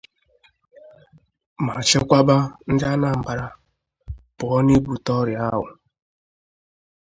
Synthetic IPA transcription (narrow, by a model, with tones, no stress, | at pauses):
ma˨t͡ʃɪ˦kʷa˦ba˦n̩˦d͡ʒa˦na˨m̩˨ba˨ɾa˨ | pʊ˨ɔ˦ni˦bu˨tɔ˦ɾja˦ɦʊ̰˨